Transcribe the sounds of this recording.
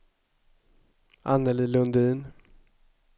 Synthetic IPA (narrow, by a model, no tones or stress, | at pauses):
a̰nːəlilɵnd̪iːn